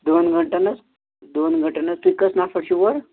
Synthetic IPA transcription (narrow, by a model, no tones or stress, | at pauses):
d̪onɡəɳʈanɐt͡s | d̪onɡəɳʈanɐt͡st̪uikːəsnafəɽɕuʋəɾ